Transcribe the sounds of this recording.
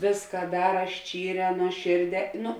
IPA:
ˈʋʲeːskɐ ˈdɑːrɐ ˈʃʲt͡ʃʲiːˌrʲɛː nuɔˈʃʲeːrʲˌdʲɛː ˈnʊ

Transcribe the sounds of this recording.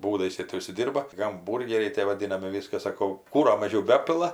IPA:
ˈbuːdɐɪs ˈjeː tʲɪ ʊʃʲsʲɪˈdʲiː rbɐ ɡɐmˈbuːrʲɡʲɛrʲɛɪ ˈtʲeː ʋɐˈdʲɪnɐmʲɪ ˈʋʲɪskɐs sɐˈkɐʊ ˈkuːroː mɐˈʒʲɛʊ ˈbʲæːpʲɪlˠɐ

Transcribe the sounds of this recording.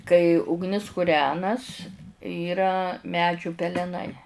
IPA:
kɐɪ ʊɡˈnʲɪs kʊˈrʲæːnɐs iːˈrɐ ˈmʲæːd͡ʒʲuː pʲɛlʲɛˈnɐɪ

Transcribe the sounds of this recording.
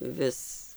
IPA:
ˈʋʲɪs

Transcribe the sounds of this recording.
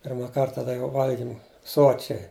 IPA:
ˈpʲɪrmɐ ˈkɐrtɐ tɐɪ ˈjɛʊ ˈʋɐlʲɡʲɪm ˈsoːt͡ʃʲɛɪ

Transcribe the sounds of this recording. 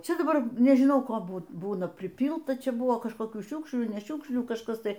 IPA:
ˈt͡ʃʲɛ dɐˈbɐr nʲɛʒʲɪˈnɐʊ ˈkoː ˈbuː ˈbuːnɐ pʲrʲɪˈpʲiːlˠtɐ ˈt͡ʃʲɛ ˈbʊʋoː kɐʃkoːˈkʲuː ˈʃʲʊkʃʲlʲuː nʲɛ ˈʃʲʊkʃʲlʲuː kɐʃˈkɐs ˈtɐɪ

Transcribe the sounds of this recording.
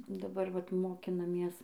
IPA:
dɐˈbɐr ˈʋɐt moːkʲɪnɐˈmʲiɛs

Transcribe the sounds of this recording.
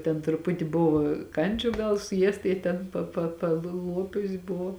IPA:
tʲɛn trʊˈpʊtʲɪ ˈbʊʋoː ˈkɐnʲd͡ʒʲʊ ˈɡɐlˠ sʊˈjiɛstɐ jɪ ˈtʲɛn pɐ pɐ pɐlˠˈlˠuɔpʲʊs ˈbʊʋoː

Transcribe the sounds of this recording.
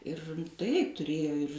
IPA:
ɪr ˈtɐɪ tʊˈrʲeːjoː ɪr

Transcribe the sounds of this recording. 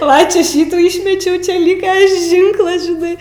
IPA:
ʋɐ ˈt͡ʃʲɛ ˈʃʲɪtuː ˈiːʃʲmʲɛt͡ʃʲɛʊ t͡ʃʲɛ ˈlʲiːkɐ ˈʒʲiːŋklˠɐs ʒʲɪˈnɐɪ

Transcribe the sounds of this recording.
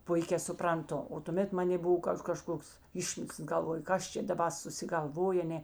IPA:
ˈpʊɪkʲɛː sʊprɐnˈtʊ oː tʊˈmʲeːt ˈmɑːnʲeː ˈbʊw ˈkɐt kɐˈʃkoːks ˈɪʃʲmʲɪslˠɐs ɡɐlˠˈʋoːjʊ ˈkɐs t͡ʃʲɛ dɐˈbɐ sʊsʲɪɡɐlˠˈʋoːjeː ɐˈnʲeː

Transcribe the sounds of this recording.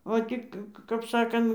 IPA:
oː ˈtʲɪk kɐp ˈsɑːkɐn

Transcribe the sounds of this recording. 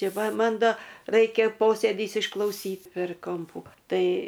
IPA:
ˈtʲɪ ˈʋɐ ˈmɐn ˈdoː ˈrɐɪkʲɛ ˈpoːsʲeːdʲiːs ɪʃklˠɐʊˈsʲiːt pʲɛr ˈkoːmpuː ˈtɐɪ

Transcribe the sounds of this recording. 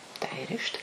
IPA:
dɐ iːˈrʲɪʃt

